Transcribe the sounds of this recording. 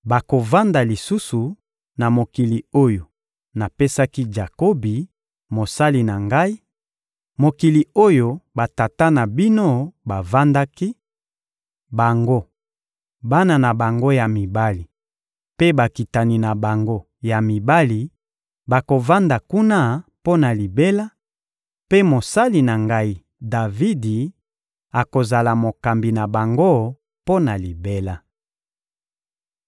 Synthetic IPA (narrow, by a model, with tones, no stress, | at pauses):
ba˨ko˨va˦nda˨li˨su˦su˨ | na˨mo˨ki˨li˨o˦jo˨ | na˨pe˦sa˦ki˦d͡ʒa˨ko˦bi˨ | mo˨sa˦li˨na˨ŋɡa˦i˦ | mo˨ki˨li˨o˦jo˨ba˨ta˨ta˦na˨bi˦no˦ba˨va˦nda˦ki˦ | ba˨ŋɡo˦ | ba˦na˨na˨ba˨ŋɡo˦ja˨mi˨ba˦li˨ | pe˦ba˨ki˨ta˨ni˨na˨ba˨ŋɡo˦ | ja˨mi˨ba˦li˨ | ba˨ko˨va˦nda˨ku˦na˦po˦na˨li˨be˦la˦ | pe˦mo˨sa˦li˨na˨ŋɡa˦i˨ | da˨vi˦di˨ | a˨ko˨za˨la˨mo˨ka˨mbi˨na˨ba˨ŋɡo˦ | po˦na˨li˨be˦la˦